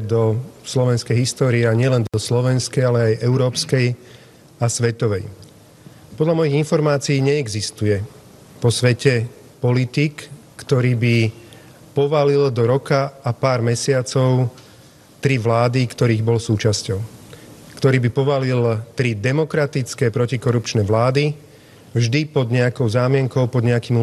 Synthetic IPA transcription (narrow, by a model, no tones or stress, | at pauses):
d̪ɔslɔʋɛnskɛjɦist̪ɔːɾiaɲɪɛlɛnd̪ɔslɔʋɛnskɛjalɛajʔɛʊɾɔːpskɛj | asʋɛt̪ɔʋɛj | pɔd̪lamɔjiɣinfɔɾmaːt͡siiːɲɛːɡzist̪ujɛ | pɔsʋɛcɛ | pɔlit̪ikː | t̪ɔɾiːbi | pɔʋalild̪ɔɾɔkaapaːɾmɛsɪat͡sɔʊ | t̪ɾiʋlaːd̪ikt̪ɔɾiːɣbɔlsuːt͡ʃascɔʊkt̪ɔɾiːbipɔʋalilt̪ɾid̪ɛmɔkɾat̪it͡skɛpɾɔcikɔɾupt͡ʃnɛʋlaːd̪i | vʒd̪ipɔd̪ɲɛakɔʊzaːmɪɛŋkɔʊpɔd̪ɲɛakiːm